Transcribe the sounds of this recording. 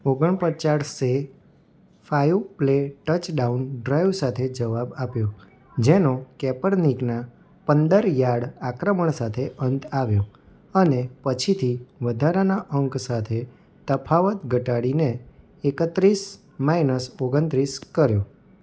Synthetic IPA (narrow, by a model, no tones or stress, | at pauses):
oɡəɳpət͡ʃaɾse | fajupleʈət͡ʃɖaunɖɾajʋsat̪ʰed͡ʒəʋabapjo | d͡ʒenokɛpəɾnikna | pənd̪əɾjaɽakɾəməɳsat̪ʰeʔənt̪aʋjo | ənepət͡ʃʰit̪ʰiʋəd̪ʱaɾanaʔəŋksat̪ʰe | t̪əpʰaʋət̪ɡʱəʈaɽineː | kət̪ɾis | mainəsoɡənt̪ɾiskəɾjo